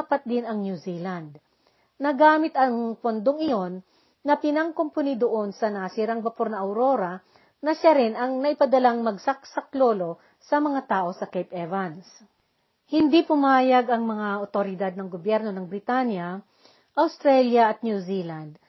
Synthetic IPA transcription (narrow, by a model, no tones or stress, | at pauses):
pɐt̪̚d̪ɪnɐŋnjuzilɐnd̪̚ | nɐɡaːmɪt̪ɐŋpond̪oŋɪjo̞nː | ɐpɪnɐŋkomponid̪oʔo̞nsɐnaːsiɾɐŋbɐpoɾnɐʔɐwɾo̞ːɾɐ | nɐʃaɾɪnʔɐŋnɐʔɪpɐd̪ɐlaŋmɐɡsɐk̚sɐklo̞ːlo̞ | sɐmɐŋat̪aːʔo̞sɐkejpʔɛvɐns | hɪnd̪ipʊmaːjɐɡɐŋmɐŋaʔot̪oɾɪd̪ad̪̚nɐŋɡobjɛɾno̞nɐŋbɾɪt̪anjɐ | ʔɐwst̪ɾɛljɐʔɐt̪̚njuzilɐnd̪̚